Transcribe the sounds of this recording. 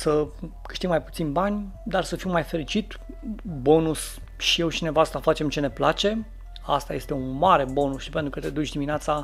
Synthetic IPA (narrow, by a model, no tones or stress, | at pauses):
səkɨ̥ʃt̪iɡmajput̪sinʲbanʲ | d̪arsəfimːajfe̞ɾit͡ʃit̪ | bo̞nus | ʃije̞wt͡ʃine̞vast̪afat͡ʃe̞mt͡ʃe̞ne̞plat͡ʃe̞ | ast̪aje̞st̪e̞unmaɾe̞bo̞nusʃipe̞nt̪ɾukət̪e̞d̪ut͡ʃʲd̪imineat̪sa